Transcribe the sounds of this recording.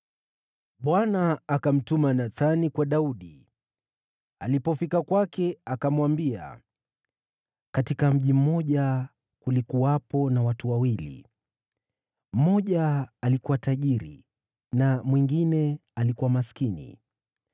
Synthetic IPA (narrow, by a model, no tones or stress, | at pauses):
ɓwanaːkam̩tumanaθanikwaɗauɗi | alipɔfikakwakɛakamwambia̰ | katikam̩ʄim̩mɔʄa | kulikuapɔnawatuwawilḭ | m̩mɔʄaːlikuwataʄiɾḭ | namwiŋɡinɛalikuwamaskinḭ